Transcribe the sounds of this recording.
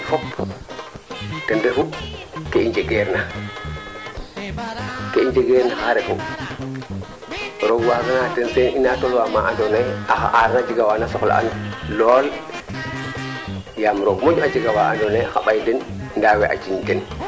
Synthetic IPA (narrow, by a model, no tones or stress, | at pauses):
fɔp | tɛndefu | keind͡ʒeɡeɾna | keiɲd͡ʒeɡeɾnaxaɾefu | ɾoɡwaɡanatɛnseninatolwamaʔandoneaxa̰ʔaɾnad͡ʒiɡawanasɔxla̰ʔa̰nlɔl | jamɾoɡmod͡ʒad͡ʒiɡawaa̰ndoneaxaɓajdɛnndawɛʔa̰t͡ʃindɛn